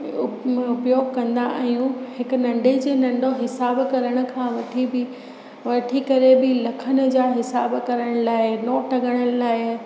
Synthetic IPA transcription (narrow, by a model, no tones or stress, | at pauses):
ʊʊpjoːɡ̚kɐ̃nd̪aʔɛ̃jũhɪkʊ̆nɐ̃ɳɖʱed͡ʑeːnɐ̃ɳɖʱoɦɪsaːbkɐɾəɽ̃ʊ̆kʰãːʋɐʈʰibɪ | ʋɐʈʰikɐɾebɪlɐkʰənə̆d͡ʑaːɦɪsaːbkɐɾəɽ̃laːɪnoːʈɐɡəɽ̃əlaːɪ